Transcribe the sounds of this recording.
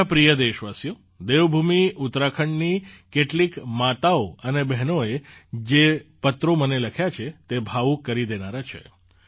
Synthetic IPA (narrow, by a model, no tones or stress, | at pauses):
pɾijəd̪eʃʋasjo | d̪eʋbʱumiut̪ɾakʰəɳnikeʈlikmat̪aoənebɛɦnoed͡ʒepət̪ɾoməneləkʰjat͡ʃʰet̪ebʱaʋukəɾid̪enaɾat͡ʃʰḛ